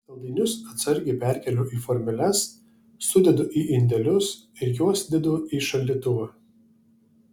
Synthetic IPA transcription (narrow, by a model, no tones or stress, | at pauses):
t̪ɐlˠd̪ʲiːnʲʊsɐt̪sɐɾʲɡʲɪpʲæˑɾʲkʲɛlʲoːʔiːfɔɾʲmʲɪlʲɛsː | ʊd̪ʲɛd̪ʊʔiʔɪnʲd̪ʲɛlʲʊsɪɾjuɔsd̪ʲɛd̪oːiːʃɐlʲd̪ʲiːt̪ʊʋɐ